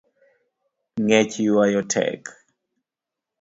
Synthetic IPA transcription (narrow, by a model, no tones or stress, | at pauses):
ŋɛt͡ʃuwajɔtʰɛ̰k